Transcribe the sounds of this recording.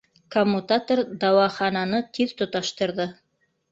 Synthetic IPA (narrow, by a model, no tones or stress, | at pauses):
komːut̪at̪oɾd̪ɑwɑχɑnɑnɤt̪ʰiðt̪ŏt̪ɑʃt̪ɤ̆ɾðɤ